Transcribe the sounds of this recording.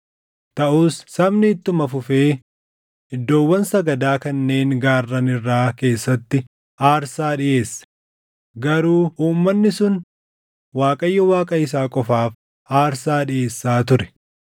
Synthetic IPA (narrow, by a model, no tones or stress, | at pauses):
t̪ɐʔuːsːɐbnɪt̪ːʊmɐfʊfe̞ː | ɪd̪ːo̞ːwːɐnsɐɡɐd̪aːkɐnːe̞ːŋɡaːrːɐnɪrːaːke̞ːsːɐt̪ːɪ | aːɾsaːᶑɪʔe̞ːsːɐ̥ | ɡɐɾuːʔuːmːɐnːɪsʊn | waːkʼɐjːɐwaːkʼɐɪs̬aːkʼɔfaːf | aːɾsaːᶑɪje̞ːsːaːt̪ʊɾɛ̥